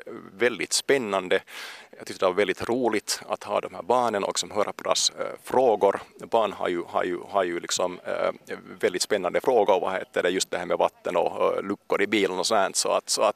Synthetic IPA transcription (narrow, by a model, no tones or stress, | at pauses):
vɛld̪ɪt̪spɛnːand̪əjɑɡt̪ʏt̪ːədɛvaɾvɛld̪ɪt̪ɾuːlɪt̪a̰t̪hɑ̰ːd̪ɔmhæ̰ːɾbɑːɳənɔ̰ɪsɔmɦœːɾʔapʰɔd̪ɛa̰sfɾoːɡʊɾbɑːɳha̰ɾjʉha̰ɾjɵ̰haɾjɵlɪksɔm | vɛld̪ɪt̪spɛnːand̪əfɾoːɡʊɾɔva̰hḛːt̪ːəɖɛjɵst̪d̪ɛhæːɾmɛvat̪ːənɔlʉkːʊɾɪbiːlənɔsɔnd̪æːnt̪sɔa̰t̪sɔat̪